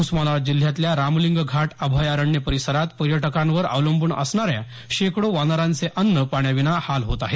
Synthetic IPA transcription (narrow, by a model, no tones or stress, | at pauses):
usmalaʋad͡ʑil̤ːjat̪ljaɾamliŋɡɡʱaʈəbʱajaɾəɳːjəpəɾisəɾat̪pəɾjəʈəkãnʋəɾa̰ʋləmbuːɳə̰sɳaɾja | ɕekɽoʋanaɾant͡seʔənːəpaɳjaʋinahalɦot̪aɦe